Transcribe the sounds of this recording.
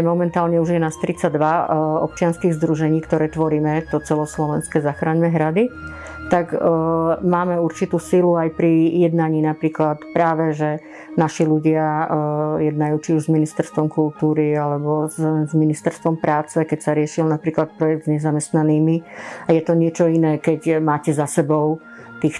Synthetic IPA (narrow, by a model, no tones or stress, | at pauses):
ɛmɔmɛnt̪aːlɲɛuʒjɛnast̪ɾit͡saɟd̪ʋaɔ̰p̚t͡ʃɪanskiːɣzd̪ɾuʒɛɲiːkt̪ɔɾɛːt̪ʋɔɾiːmɛt̪ɔt͡sɛlɔslɔʋɛnskɛzaxɾaːɲmɛɦɾad̪i | t̪aɡ | maːmɛuɾt͡ʃit̪uːsiluajpɾijɛd̪naɲiːnapɾiːklat̪pɾaːʋɛʒɛ | naʃiluɟɪa | jɛd̪najuːt͡ʃiuʒzminist̪ɛɾst̪ʋɔmkult̪uːɾialɛbɔzzminist̪ɛɾst̪ʋɔmpɾaːt͡sɛkɛcsaɾɪɛʃilnapɾiːklat̪̚pɾɔjɛɡ̚d̪zɲɛzamɛst̪naniːmiajɛt̪ɔɲɪɛt͡ʃɔinɛːkɛɟmaːcɛzasɛbɔʊ | t̪iːx